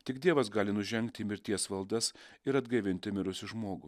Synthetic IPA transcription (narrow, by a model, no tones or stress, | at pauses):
t̪ʲɪɡd̪ʲiɛʋɐsɡɑːlʲɪnʊʒʲɛŋkt̪ʲɪmʲɪɾʲt̪ʲiɛsʋɐlˠd̪ɐsɪɾɐd̪ɡɐɪʋʲɪnʲt̪ʲɪmʲɪɾʊsʲɪʒmoːɡʊ